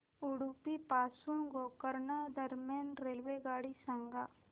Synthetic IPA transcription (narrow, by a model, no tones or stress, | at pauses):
ʊɽupipaːsunɡoːkəɾnad̪ɐɾmaːnɾeːlʋeɡaːɽisɐ̃ŋɡaː